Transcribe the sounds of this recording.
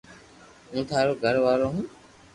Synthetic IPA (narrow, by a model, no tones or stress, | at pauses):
ũːt̪ʰaːɾoːɡʱəɾʋaːɾoːɦũː